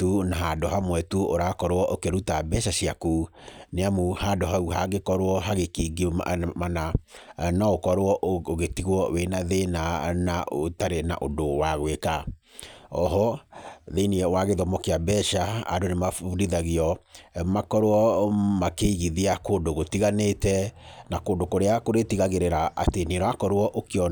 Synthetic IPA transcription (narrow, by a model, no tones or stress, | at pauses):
tunaɦadoɦamwɛtuoɾakɔɾoɔʔokeɾutabɛʃaɕiakuneamuhadoɦauhaɣekɔɾoɔɦaɣekeɡimananaokɔɾoɔʔoɣetiɣwɔwenaðenanaotaɾena̰ʔodowaɣweka | ɔɦɔðeniɛwaɣeðɔmɔkeabɛʃaa̰donemafuɾiðaɣeɔmakɔɾwɔmakeiɣiðiakoːndoɣotiɣanetɛnakoːndokoɾeakoɾetiɣaɣeɾeɾaʔa̰teneɾɔakɔɾwɔʔokeɔ